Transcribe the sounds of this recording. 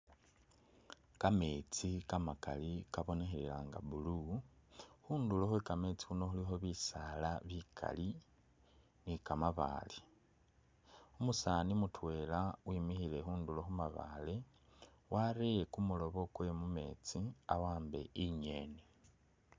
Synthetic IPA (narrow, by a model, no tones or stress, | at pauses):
kame̞ːt͡sikamaka̰likaβo̞ne̞xeɾḛlaːŋɡa̰βulu | xuːndulo̞xwekame̞t͡si̥xuno̞xulixo̞βisalaβikʰa̰li | nikamaβa̰ːle | umusanimutwe̞ːlawʔiːmixile̞xuːndulo̞xumaβa̰le | wʔaɾejekumulo̞βo̞kwe̞mume̞̰t͡siawaːmbe̞̰ʔiɲeːne